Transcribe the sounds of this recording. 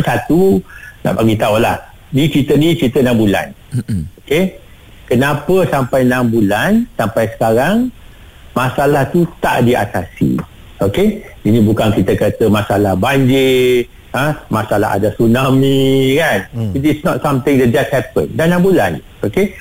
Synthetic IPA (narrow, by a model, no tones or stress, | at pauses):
sat̪una̰ʔpaɡit̪aulah | nĩt͡ʃit̪ənĩt͡ʃit̪ənãmbula̰noke | kənapəsampajnambulansampajsə̥kaɾaŋ | masalaht̪ut̪a̰ʔdia̰t̪asḭ | okeinĩbukankit̪əkət̪əmasalahbaɲd͡ʒɪ | ãmasala̰ɦa̰dasunamikanitisnɔtsamt̪ɪ̃ŋdɛd͡ʒasthɛpə̰̃ndanãmbula̰n | oke